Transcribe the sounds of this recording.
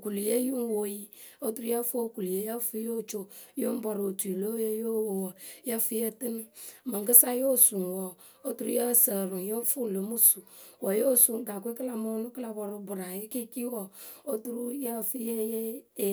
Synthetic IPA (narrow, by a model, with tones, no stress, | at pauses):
o˨ku˨lje˦ju˦n˦wo˨ji˦ | o˦tu˦ɾu˦ja˦fku˨lje˨ja˦fi˦jo˦˨t͡ʃo˦˨ | jo˦m˦bɔ˨ɾo˨tu˨i˨lo˦je˦jo˦wo˨wɔ˨ja˦fi˦je˦tɨ˦n˦˨ma˨ŋ˨ɡə˦sa˦jo˦˨su˨n˨wɔ˨ | o˦tu˦ɾu˦ja˦˨sə˨ɾu˨ŋ˨jo˦ɱ˦fu˦˨lo˨mu˦su˨ | wɔ˨jo˦˨su˨ŋ˦ɡa˨kʷe˦ki˦la˨mo˦nu˦kla˨bɔ˨ɾo˨bu˨ɾa˨je˦ki˦ki˦wɔ˨o˦tu˦ɾu˦ja˦˨fi˦je˦je˦˨